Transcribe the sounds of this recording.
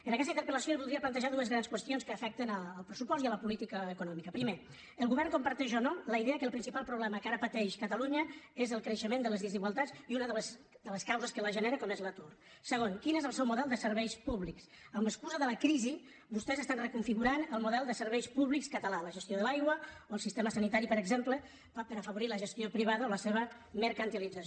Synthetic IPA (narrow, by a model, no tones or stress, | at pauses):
ənɐkɛst̪int̪ɾpələsjoelβulˠd̪ɾiəplənt̪əʒaðuəzɣɾanskwəst̪ionskəːfɛk̚t̪ənəːlˠpɾəsupɔst̪iələpulit̪ikəːkunɔmikəpɾime | əlˠɣuβɛɾrŋkumpəɾt̪ɛʒɔnoləiðeəkəlˠpɾinsipalˠpɾuβlɛməkaɾəpət̪ɛʃkət̪əluɲəezəlˠkɾəʃəmend̪ələzðiziɣwalˠt̪at͡siunəðələs | d̪ələskawzəskələʒəneɾəkɔmezlət̪ur | səɣonkinezəlˠsɛwmuðɛlˠd̪əsəɾβɛjspuβliks | əmbəskuzəðələkɾizi | bust̪ɛzəst̪anrəkuɱfiɣuɾanəlˠmuðɛlˠd̪əsəɾβɛjspuβlikskət̪əlaləʒəst̪joðəlajɣwəoəlˠsist̪eməsənit̪aɾipəɾəɡzemplə | pəɾəfəβuɾiləʒəst̪jopɾiβaðəoləseβə | məɾkənt̪ilid͡zə